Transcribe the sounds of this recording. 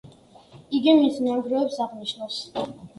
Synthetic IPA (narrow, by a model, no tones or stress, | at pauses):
iɡimismaɡ̪ɾɔɛpsaʁniʃnas